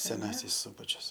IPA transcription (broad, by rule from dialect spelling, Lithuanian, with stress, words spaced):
sʲɛˈnɑːsʲɪs ˈsʊbɐt͡ʃʲʊs